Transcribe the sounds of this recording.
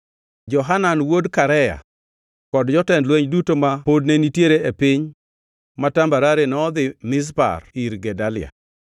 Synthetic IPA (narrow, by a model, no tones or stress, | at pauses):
d͡ʒɔɦananwodkaɾɛja̰ | kɔdd͡ʒɔtɛndlweɲdutomapodnenitjeɾeepɪɲ | matambaɾaɾenɔɔd̪ɪmɪs̬pa̰riɾɡɛdalɪ̰a̰